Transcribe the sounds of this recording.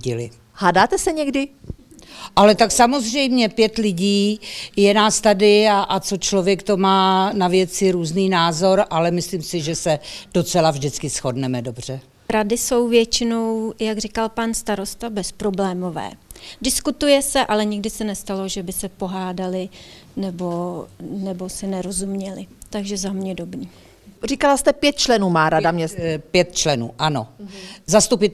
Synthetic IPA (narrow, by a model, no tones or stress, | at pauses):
ɟɪlɪ̰ | haːdaːt̪ɛsɛɲɛɡdɪ | ʔalɛt̪aksamo̞zr̝ɛjmɲɛpjɛt̪lɪɟiːjɛnaːst̪adɪaʔat͡so̞t͡ʃlovjɛkt̪o̞maːnavjɛt͡sɪɾuːzniːnaːzo̞ɾʔalɛmɪsliːmsɪʒɛsɛd̥ot͡sɛlavʒdɪt͡skɪsxodnɛmɛdo̞br̝ɛ | ɾadɪso̞wvjɛt͡ʃɪno̞wjaɡr̝ɪkalpanst̪aɾo̞st̪abɛspɾo̞blɛːmo̞vɛ̰ːdɪskut̪ujɛsɛʔalɛɲɪɡdɪsɛnɛst̪alo̞ʒɛbɪsɛpo̞ɦaːdalɪ | nɛbo̞nɛbo̞sɛnɛɾo̞zumɲɛlɪt̪aɡʒɛzamɲɛdo̞bniː | rikalast̪ɛpjɛt̪̚t͡ʃlɛnuːmaːɾadamɲɛpjɛt̪̚t͡ʃlɛnṵːʔano̰zast̪upɪ